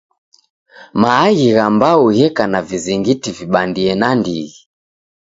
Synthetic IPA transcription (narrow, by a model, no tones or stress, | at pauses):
maːɣiɣambaujɛkanaviziŋɡitiviɓandiɛnandiɣi